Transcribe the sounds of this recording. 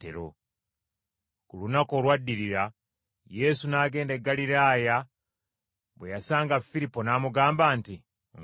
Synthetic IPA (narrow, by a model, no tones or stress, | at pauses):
tḛɾo̰ | kulunako̞ːlwadːiɾiɾa | je̞sunaːɡe̞ːndeɡːaliɾaːja | βwe̞jasaːŋɡafiɾipːo̞naːmuɡaːmbaːnti